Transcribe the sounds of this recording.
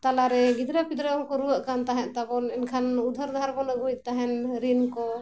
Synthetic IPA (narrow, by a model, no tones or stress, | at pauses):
t̪alaɾɛɡid̪ɾapid̪ɾaɔŋkɔɾuwaʔkant̪aɦɛʔt̪abɔnɛnkʰanud̪ʱaɾd̪ʱaɾbɔnaɡuj̚t̪aɦɛnɾinkɔ